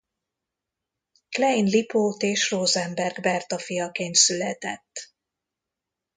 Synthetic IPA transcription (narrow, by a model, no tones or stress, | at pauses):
klɛinlipoːt̪eːʃroːzɛmbɛrɡbɛrt̪ɒfijɒkeːnt̪sylɛt̪ɛt̪ː